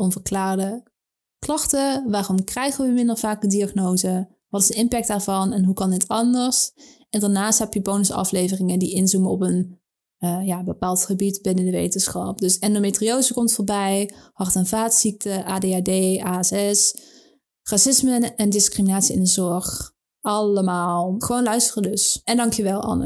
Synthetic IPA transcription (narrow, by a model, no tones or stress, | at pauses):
ʔɔnvəɹklaːrdə | klɑχtəʋaːrɔmkrɛjχənʋəmɪndərvaːk̚ədiaχnowzə | ʋɑtɪzdəɪmpɛk̚d̥aːɹvɑnɛnɦukɑndɪtɑndəɹs | ɛndaːɹnaːstɦɛpjəbownəsɑ̰flejvərɪŋəndiʔɪnzuməɔpən | jaːbəpaːlˠtχəbitbɪnədəʋḛjtənsχɑp̚dɵsɛndometriowzəkɔmtfoːɹbɛjhɑrtənvaːtsik̚təʔaːdeaːdejaːɛsɛs | rasɪsməɛndɪskriminaːtsiɪ̰ndəzɔɹχ | ɑləmaːlˠχəʋoːnlœɥstərədɵsɛndɑŋkjəʋɛlˠɑ̰n